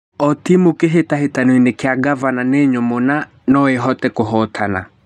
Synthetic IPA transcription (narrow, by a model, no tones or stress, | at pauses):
ɔtimukeɦetahetanwinekeaɡavananeɲomona | nɔeɦɔtɛkoɦɔtʰana̰